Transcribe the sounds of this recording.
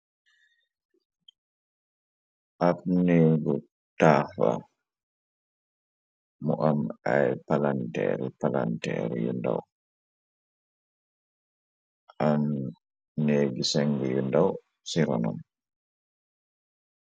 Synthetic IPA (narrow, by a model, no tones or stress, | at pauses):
ʔapneːɡɔ | tafa̰ | mɔʔamajpalantɛ̰ɾɛpalantɛɾɛjṵnda̰w | ʔan | neɡisɛŋɡɛjundaw | siɾɔnɔ̰n